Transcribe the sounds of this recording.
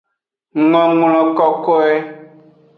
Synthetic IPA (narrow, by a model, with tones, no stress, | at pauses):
ŋɔ̃˦ŋl̃ɔ̃˨kɔ˦kɔ˦ɛ˦